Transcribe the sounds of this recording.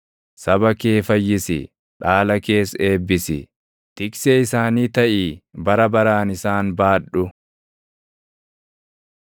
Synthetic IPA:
sɐbɐke̞ːfɐjːɪsɪ̰ | ᶑaːlɐke̞ːse̞ːbːɪsɪ | t̪ɪkseːɪsaːniːt̪ɐʔiːbɐɾɐbɐɾaːnɪsaːnbaːᶑʊ

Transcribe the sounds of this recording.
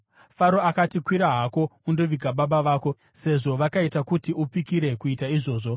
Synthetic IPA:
faɾo̞akatikwiɾaɦako̞undo̞ʋiɡʱaɓaɓaʋaːko̞ | se̞ʐo̞ʋakaitakutiupikiɾe̞kuitaiʐo̞ːʐo̞

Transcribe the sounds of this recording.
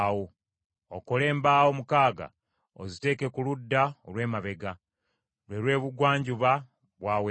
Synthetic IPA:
wo | okole̞ːmbaːwo̞mukaːɡa̰ | o̰zite̞ːke̞kuludːaolwe̞ːmaβe̞ɡa | lwe̞lwe̞ːβuɡwaːɲɟuβa | βwaːwe

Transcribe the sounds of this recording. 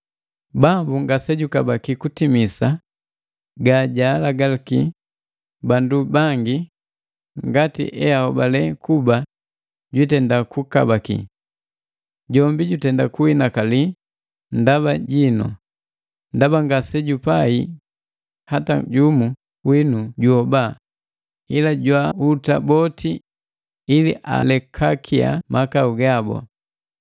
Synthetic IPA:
bambuŋɡasɛɟukabakikutimisa | ɡaɟalaɡalkḭ | bandubaŋɡi | ŋɡatḭʔɛahɔbalɛkuba | ɟwitɛndakuka̰bakḭ | ɟɔmbiɟutɛndakuhinakali | ndaβaɟinɔ̰ | ndabaŋɡasɛɟupai | hataɟumu | winuɟuhɔba | ilaɟwautabɔtʰi | iliʔa̰lɛkʰakʰia̰mʔakauɡabɔ̰

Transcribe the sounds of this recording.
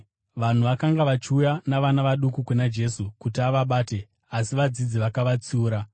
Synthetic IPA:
ʋan̤uʋakaŋɡaʋat͡ʃiujanaʋanaʋaɗukukenad͡ʒe̞sukutiaʋaɓaːte̞ | asiʋad͡zid͡ziʋakaʋat͡suːɾa

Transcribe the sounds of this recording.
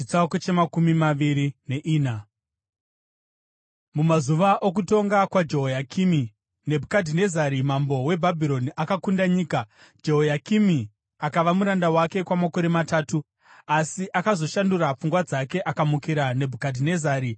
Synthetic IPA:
it͡saket͡ʃemakumimaʋiɾine̞ʔiːna | mumazuʋaʔok̬uto̞ŋɡakwad͡ʒe̞ɦojakʰimi | ne̞bʱukadʱine̞zaɾimambo̞we̞bʱabʱiɾo̞niʔakakundaɲiːka | d͡ʒe̞ɦojakimi | akaʋamuɾandawake̞kwamako̞ɾemataːtu | asiʔakazo̞ʃanduɾap͡fuŋɡwad͡zake̞ʔakamukiɾane̞bʱukadʱine̞zaːɾi

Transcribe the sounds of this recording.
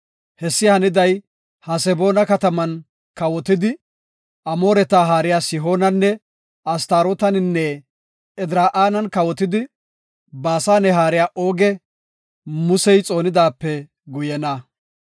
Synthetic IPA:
hɛsːɪhɐnɪd̪ɐj | hɐsɛbo̞ːnɐkɐt̪ɐmɐn | kɐwɔt̪ɪd̪ɪ | ʔɐmo̞ːɾɛt̪aːɦaːɾɪjaːsɪɦo̞ːnɐnːɛ | ɐst̪aːɾɔt̪ɐnɪnːɛ | ɛd̪ɾaːʔaːnɐnkɐwɔt̪ɪd̪ɪ | baːsaːnɛɦaːɾɪjaːʔo̞ːɡɛ | mʊsɛjt͡sʼo̞ːnɪd̪aːpːɛ | ɡʊjɛnɐ

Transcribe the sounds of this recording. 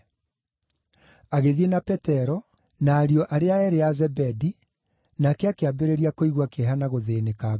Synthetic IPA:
aɣeðienapɛtɛɾɔ | naːɾiɔʔaɾeaɛɾeazɛbɛdi | nakɛakeabeɾeɾiakoiɣwakeɛɦanaɣoðeːneka

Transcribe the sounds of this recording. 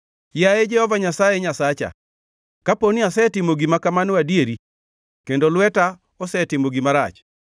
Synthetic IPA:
jajed͡ʒɛhɔvaɲasajeɲasat͡ʃa̰ | kaponiasɛtɪmoɡimakamanwadieɾi | kendolwɛta | ɔsɛtɪmoɡimaɾat͡ʃ

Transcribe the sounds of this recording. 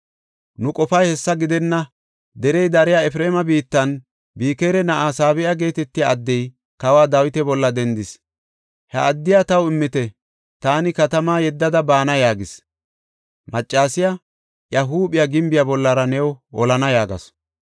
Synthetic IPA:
nʊkʼɔfɐjhɛsːɐɡɪd̪ɛnːɐ | d̪ɛɾɛjd̪ɐɾɪjaɛfɾeːmɐbiːt̪ːɐn | biːkeːɾɛnɐʔaːsaːbɪʔaɡe̞ːt̪ɛt̪ːɪjaɐd̪ːɛj | kɐwaːd̪awɪt̪ɛbɔlːɐd̪ɛnd̪ɪs | hɐ̰ɐd̪ːɪjat̪ɐwɪmːɪt̪ɛ | t̪aːnɪkɐt̪ɐmaːjɛd̪ːɐd̪ɐbaːnɐjaːɡɪs | mɐt͡ʃʼːaːsɪja | ʔjɐɦuːɓɪjaɡɪmbɪjabɔlːɐɾɐnɛwɔɔlɐnɐjaːɡɐ̰s

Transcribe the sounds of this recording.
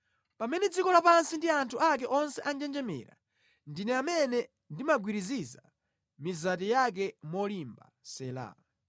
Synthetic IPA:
pamɛnɛd͡zikɔlapansindiantʰuak̬ɛʔɔnsɛʔand͡ʒɛnd͡ʒɛmɛ̰ːɾa̰ | ndinɛamɛnɛ | ndimaɡwiɾiziza | mizatɛjak̬ɛmɔlimba̰sɛla̰ː

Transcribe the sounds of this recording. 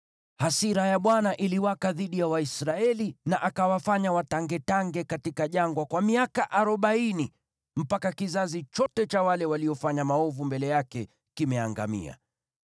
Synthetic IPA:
hasiɾajaɓwanaʔiliwakaðiɗijawaisɾaɛlinaʔakawafaɲawataŋɡɛtaŋɡɛkatikaʄaŋɡwakwamiakaʔaɾɔɓaini | m̩pakakizazit͡ʃɔtɛt͡ʃawalɛwaliɔfaɲamaɔvumbɛlɛjakɛ | kimɛaŋɡa̰mḭa̰

